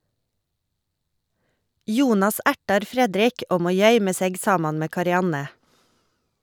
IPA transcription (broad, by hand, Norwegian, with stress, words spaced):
ˈjuːnɑs ˈæʈɑɾ ˈfɾɛdɾɪk ˈoːɡ ˈmoː ˈjœʏmə ˈseːɡ ˈsɑːmɑn ˈmeː kɑɾɪˈɑnə